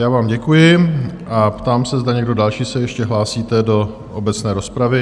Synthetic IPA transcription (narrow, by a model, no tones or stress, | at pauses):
jaːvaːmɟɛkujɪʔapt̪aːmsɛzdaɲɛɡdo̞dalʃiːsɛjɛʃcɛɦlaːsiːt̪ɛdo̞ | ʔobɛt͡snɛːɾo̞spɾavɪ